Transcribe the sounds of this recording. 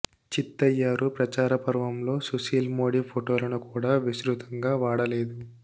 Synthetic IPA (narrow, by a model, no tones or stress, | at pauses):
t͡ʃit̪ːɐjːaːɾupɾɐt͡ʃaːɾɐpɐɾʋɐmlo̞ːsusiːlmoːɽiːpʰoʈo̞ːlɐnukuːɽaːʋisɾut̪ɐŋɡaːʋaːɽɐle̞ːd̪u